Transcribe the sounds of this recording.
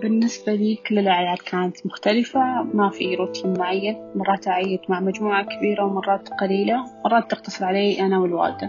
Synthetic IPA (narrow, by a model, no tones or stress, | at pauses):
bɪnːɪsbaliːkɪlːɪlʔaʕjaːd̪kʰaːnat̪mʊxt̪alɪfamafiɾuːt̪lɪmmːʊʕajːanmɑrˤːɑːt̪ʕajːɪd̪maʕmad͡ʒmuːʕakabiːɾawmɑrˤːɑːt̪qɑliːlawmɑrˤɑːt̪ːɪq̚t̪ɑsˤɨɾˤʕaleːʔanawɪlwa̰ːɾd̪a